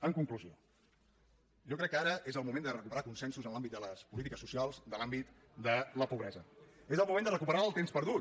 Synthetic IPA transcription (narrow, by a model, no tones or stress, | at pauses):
əŋkuŋkluzio̰ | ʒokɾɛkːəaɾəezəlˠmumend̪ərəkupəɾakunsɛnsuzənlambit̪̚d̪ələspulit̪ikəsusialˠzd̪əlambit̪ | d̪ələpuβɾɛzəezəlˠmumend̪ərəkupəɾaəlˠt̪emspəɾðu